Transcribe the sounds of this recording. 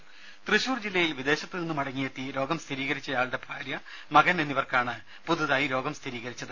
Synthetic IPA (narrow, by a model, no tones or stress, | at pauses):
t̪rɨɕuːrd͡ʑilːɐjilʋid̪e̞ːɕɐt̪ːilenːumɐɽɐŋːijet̪ːiɾo̞ːɡɐmst̪ʰiɾiːɣɐɾit͡ɕːɐjaːɭɨɽe̞bʱaːɾjɐ | mɐɣɐnenːiʋɐrkaːɳɨ | puðuðaːjiɾo̞ːɡɐmst̪ʰiɾiːɣɐɾit͡ɕːɐðɨ